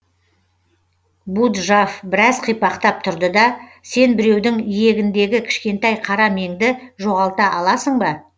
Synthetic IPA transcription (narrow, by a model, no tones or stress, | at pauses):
bud̪ʒafbɪɾɑzqʰijpɑqt̪ɑp̚t̪ʰʊɾd̪əd̪ɑ | se̞nbɪɾe̞wd̪ɪŋije̞ɡʲɪnd̪e̞ɡʲɪkʲʰɪ̥ʃkʲe̞nt̪ɑjqʰɑɾɑme̞ŋd̪ɪʒo̞ʁɑlˠt̪ɑʔɑlˠɑsəɴbɑ